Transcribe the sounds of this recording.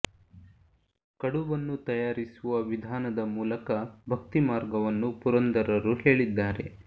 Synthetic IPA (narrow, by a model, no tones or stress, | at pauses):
kɐɽubɐnːut̪ɐjaːɾisuʋɐʋid̪ʱaːnɐd̪ɐmuːlɐkɐbʱɐkt̪imaːɾɡɐʋɐnːupuɾɐnd̪ɐɾɐɾuɦe̞ːɭid̪ːaːɾe̞̰